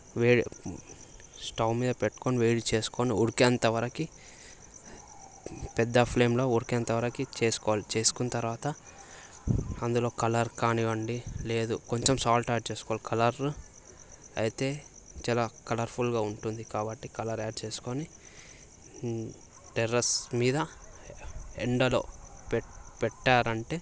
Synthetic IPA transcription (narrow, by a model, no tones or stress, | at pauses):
ʋeːɽi | sʈɐwmiːd̪ɐpeʈːu̥koniʋeːɽit͡ʃe̞ːsu̥koniuɽikiɐnt̪ɐʋɐɾɐki | pɛd̪ːɐpʰle̞ːmlo̞ːuɽikɐnt̪ɐʋɐɾɐkit͡ʃe̞ːsu̥kɔʋaːlit͡ʃe̞ːsu̥kunɐt̪ɐɾʋaːt̪ɐ | ɐnd̪ulo̞ːkɐlɐɾkaːniʋɐɳɖile̞ːd̪uko̞ɲt͡ʃemsaːlʈaːɖ̚t͡ʃe̞ːsu̥kɔʋaːlikʰɐlɐɾ | ɐ̰jit̪e̞ː | t͡ʃaːlaːkɐlɐɾpʰulɡaːuɳʈund̪ikaːbɐʈːikɐlɐɾaːɖ̚t͡ʃe̞ːsu̥koni | ʈeɾɐsmiːd̪ɐ | eɳɖɐlo̞̰ːppɛʈːaːɾɐɳʈe̞ː